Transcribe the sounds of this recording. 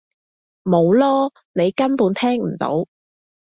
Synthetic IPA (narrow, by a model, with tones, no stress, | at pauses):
mo˨˧wlɔː˥ | ne˨˧jkɐ˥npuː˨˧nt̪ʰɛː˥ŋm̩˨˩t̪o̰˨˥w